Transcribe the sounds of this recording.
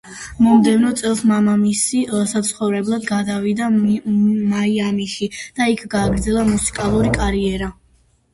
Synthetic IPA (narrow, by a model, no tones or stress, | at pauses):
mɔmd̪ɛvnɔt̪sʼɛlˠsmamamisisat̪sʰχɔvɾɛblˠad̪ɡad̪avid̪a | maiamiʃid̪̥aikʰɡaːɡɾd̪zɛlˠamusi̥kʼalˠuɾikʼaɾiɛɾa